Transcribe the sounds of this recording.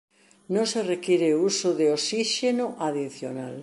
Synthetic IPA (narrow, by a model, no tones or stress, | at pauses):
nõŋserekiɾeusʊðeosiʃenoʔaðiθjonal